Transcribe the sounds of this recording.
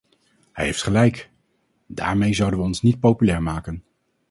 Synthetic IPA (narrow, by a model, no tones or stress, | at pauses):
hɛjɦejftχəlɛjk | da̰ːɹmejzʌwdənʋəɔnsnit̚powpylɛːɹmaːkən